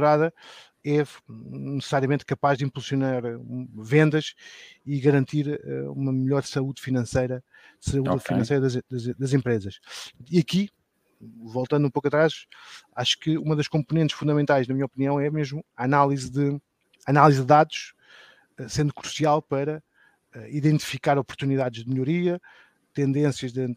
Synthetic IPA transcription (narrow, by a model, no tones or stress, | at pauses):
ɾaðɐ | ɛnnɨsɨ̥saɾiɐmẽnt̪̚kɐpaʒd̪ĩmpulˠsjunaɾvẽnd̪ɐʃiɣɐɾɐ̃nt̪iɾɛ̰ṵmɐmɨʎɔɾsɐuðfinɐ̃sɐjɾɐ | sɐuðfinɐ̃sɐjɾɐðɐd̪ɐd̪ɐzẽmpɾezɐʃiɐki | volˠt̪ɐ̃nd̪ũpokɐt̪ɾaʃaʃu̥kɨumɐðɐʃkõmpunẽnt̪ʃfũnd̪ɐmẽnt̪ajʒnɐmiɲɐɔpniɐ̃w̃ɛmeʒmuɐːnalˠizðɨː | nalˠizðɨðaðuʃ | ɛsẽnd̪ukɾu̥sialˠpɐɾɐ | ɛiðẽnt̪i̥fikaɾɔpuɾt̪uniðaðʒðmʎuɾiɐ | t̪ẽnd̪ẽsjɐʒð̃